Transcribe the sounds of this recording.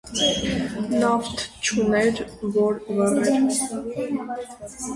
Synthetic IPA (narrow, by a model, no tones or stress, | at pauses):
nɑft̪ʰt͡ʃʰunɛɾvɔɾvəʁɛɾ